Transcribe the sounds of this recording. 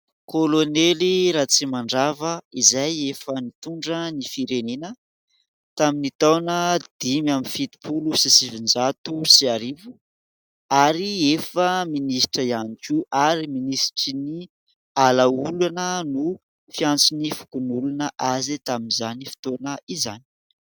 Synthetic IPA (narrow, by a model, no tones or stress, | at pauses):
koloneliɾaːt͡simaɳɖ͡ʐavəizajefənit̪uɳɖ͡ʐənifiɾenenə | t̪aminit̪awnəd̪̥imaminfit̪i̥pulusisivind͡ʒat̪usiaɾivu̥ | aɾiefəminisʈ͡ʂəianikʲuʔaɾiminisʈ͡ʂini | alaulanənu | fiant͡sinifu̥kunulunəʔazit̪aminizanifi̥t̪onəiza̰ni̥